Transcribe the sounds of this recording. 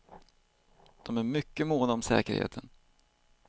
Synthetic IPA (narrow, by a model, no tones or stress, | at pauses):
d̪̥ɔmæɾmʏkːəmoːd̪aɔmsɛ̰ːkə̰ɾhḛːt̪ʰən